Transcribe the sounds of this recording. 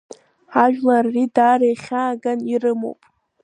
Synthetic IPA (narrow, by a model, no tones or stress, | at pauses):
aʒᶣlarːidarejχʲaːɡanirɨmo̰wpʼ